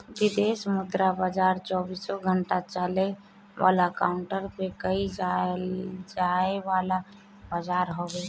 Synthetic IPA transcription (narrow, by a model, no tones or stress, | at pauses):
d̪id̪esmud̪ɾabad͡ʒaɾt͡ʃɔbisɔɡʱəɳʈat͡ʃale | ʋʔa̰lakaʊɳʈəɾpekəid͡ʒa | d͡ʒaeʋala | bad͡ʒaɾɦobe